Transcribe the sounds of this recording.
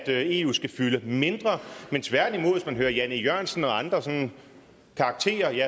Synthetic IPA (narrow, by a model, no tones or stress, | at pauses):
d̥e̝ṵːsɡ̥æfyləme̝nd̥ʁɐment͡sʰʋæɐd̥nimo̝ð̰ˠsmænɦøːɐjænijɶɐ̰nsn̩ɒ̽ɑ̈nd̥ʁɐsɔ̽n | kʰɑ̈ːɡ̥̚t͡sʰe̝̰ːɐjæ